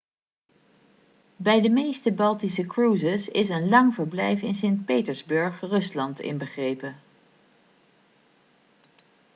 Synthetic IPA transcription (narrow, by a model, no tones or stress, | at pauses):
bɛjdəmejstəbɑlˠtisəkɹuːzəsɪsənlɑŋvəɹblɛjfɪnsɪnt̚pejtəɹzbɵɹχrɵslɑntɪ̰nbəχrejpə